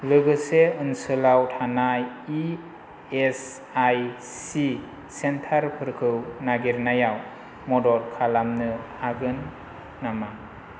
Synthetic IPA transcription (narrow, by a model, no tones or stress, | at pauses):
lɯɡɯseɯnsɯlawtʰanaji | es | aj | si | sentʰaɾpʰɯɾkʰɯwnaɡiɾnajaw | mɔdɔɾkʰalamnɯaɡɯnː | ama